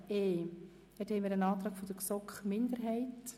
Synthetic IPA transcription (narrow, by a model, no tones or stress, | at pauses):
eː | ɛthɛɪmiːɾənɑːt̪ɾɑːkfod̥̪əksɔkχmɪndəɾɦɛɪt